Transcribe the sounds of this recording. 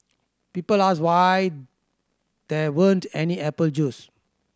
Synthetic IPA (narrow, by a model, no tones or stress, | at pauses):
piːpəlas̬waj | d̪̥ɛwəntɛniɛpəld͡ʒuːs